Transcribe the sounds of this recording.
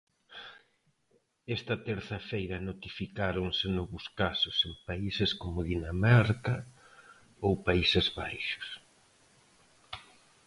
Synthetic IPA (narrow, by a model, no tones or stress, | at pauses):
ɛst̪ɐt̪ɛɾθɐfejɾɐnot̪ifikaɾoŋsenɔβʊskasʊsempaiseskomʊðinamaɾkɐ | owpaisezβajʃʊ̥s